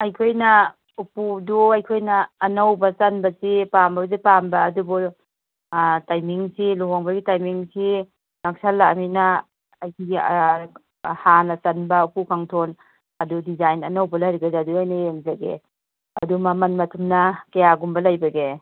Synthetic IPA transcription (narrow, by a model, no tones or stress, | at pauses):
ajkʰojna | upuduajkʰojnaːnawbasanbasipambabzipambaːdubɔ | tajmiŋsiloɦɔŋbɐɡitajmiŋsi | nak̚salːaʔmina | ajkʰiɡḭ | hanasanbaupukʰaŋtʰɔn | ɐdudizajnɐnawbalajɾiɡazaːduajnaeŋzaɡḛ | ɐdumamɐnmɐtʰumnakajaɡumbɐlajbaɡe